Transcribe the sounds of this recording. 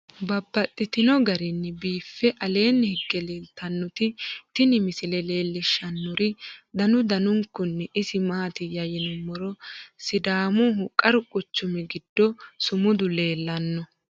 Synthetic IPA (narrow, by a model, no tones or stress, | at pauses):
bɐbːɐt̪ʼːɪt̪ɪnɔɡɐɾɪnːɛbiːfːɛʔɐle̞ːnːhɪɡːɛleːlt̪ɐnːɔt̪ɪt̪ɪnɪmɪsɪlɛleːlːɪʃːɐnːʊɾɪd̪ɐnʊd̪ɐnʊŋkːʊnːɛʔɪsɪmaːt̪ɪjɐjɪnɛmɔɾɔsɪd̪aːmʊɦʊkʼːɐɾʊkʼʊt͡ʃːʊmɛɡɪd̪̥ːɔsʊmʊd̪ʊle̞ːlːɐnːɔ